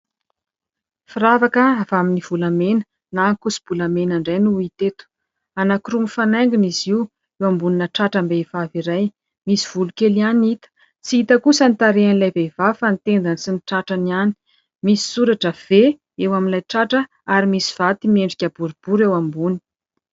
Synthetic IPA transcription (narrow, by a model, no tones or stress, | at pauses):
firavakəavaminiv̥ulamenə̥ | naŋkusi̥b̥ulamenaɳɖ͡ʐajnuit̪et̪u̥ | anakɾumifanajŋɡiniziw | ewambuninəʈ͡ʂaʈ͡ʂambeivaviɾaj | misi̥v̥ulukelianit̪ə̥ | t͡siit̪əkusənit̪aɾeanilajvev̥afanit̪end̪ansiniʈ͡ʂaʈ͡ʂəniani̥ | misi̥suɾaʈ͡ʂəv̥e | ewaminlajʈ͡ʂaʈ͡ʂə | aɾimisiv̥at̪imieɳɖ͡ʐikʲabuɾib̥uɾewambuni̥